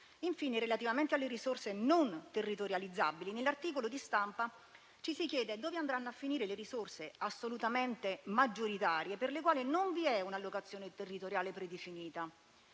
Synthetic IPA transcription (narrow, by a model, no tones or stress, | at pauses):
iɱfiːneɾelat̪ivament̪ealːeɾisorsenont̪erːit̪oɾjalid̪zːa̰bilinelːart̪iːkolod̪ist̪ampa | t͡ʃisikjɛːd̪ed̪oːveand̪ɾanːoafːiniːɾeleɾisorseasːolut̪ament̪emad͡ʒːoɾit̪aːɾijeperlekwaːlinoɱviɛunalːokat̪sːjoːnet̪erːit̪oɾjaːlepɾed̪efiniːt̪a